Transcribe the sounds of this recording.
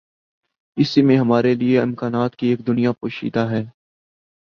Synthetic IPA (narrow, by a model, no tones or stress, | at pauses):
ɪsimẽɦɐmaːɾelieɪmkaːnaːt̪kieːk̚d̪ʊnijapoːʃḭːd̪aɦɛː